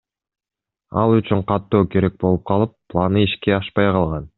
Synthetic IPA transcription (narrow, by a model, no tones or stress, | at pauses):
ɑ̰lˠyt͡ʃyɴqʰɑt̪ːo̞ːke̞ɾe̞k̚bo̞lˠup̚qʰɑlˠɯpːlˠanɯiʃkeɑʃpɑjqɑlˠʁɑn